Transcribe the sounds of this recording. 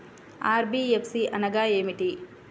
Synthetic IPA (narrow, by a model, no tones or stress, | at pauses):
aːɾbiepsiʔɐnɐɡaːeːmiʈi